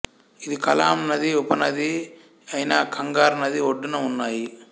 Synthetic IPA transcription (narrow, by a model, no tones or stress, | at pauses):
ɪðɯkɐlaːmnɐðiɔpːɐnɐði | ɐɪnaːkʰɐŋɡaːɾnɐðiɔɖːɯnɐʊnːaːji